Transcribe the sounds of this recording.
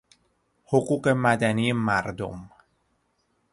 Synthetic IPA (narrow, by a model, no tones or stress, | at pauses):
hoɢuːɢe̞mæd̪æniːemæɾd̪o̰m